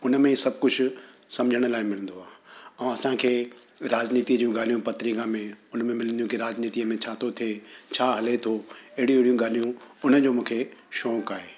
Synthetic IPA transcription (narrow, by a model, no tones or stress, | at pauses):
ʊnəmẽsɐb̚ʱkʊd͡ʑʱʊ | sɐ̃md͡ʑʱəɽ̃laːɪmɪl̤̃ə̃n̆d̪oaːɐ̃ɐsãkʰeː | ɾaːzniːt̪id͡ʑũɡaːl̤ijũpɐt̪ɾikãmẽʊnmẽmɪlə̃nd̪ijũkiɾaːd͡ʑniːt̪iəmẽt͡ɕʰaːt̪ʰot̪ʰiet͡ɕʰaːɦɐlet̪ʰoɐɦɪɽij̃ũɪɪɽijũɡaːl̤ijũʊnəd͡ʑoːmũːkʰeʃɔːkaːɦeː